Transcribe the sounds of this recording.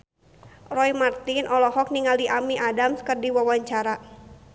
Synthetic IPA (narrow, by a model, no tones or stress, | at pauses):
rɔimart̪ɪnʔɔlɔɦɔk̚niŋaldiʔamiʔadamskɨrdiwawaɲt͡ʃaɾa